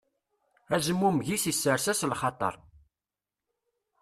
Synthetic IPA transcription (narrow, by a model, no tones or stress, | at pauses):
æzəmːumʝisisːəɾsæslχɑt̪ˤɑ̰ɾˤ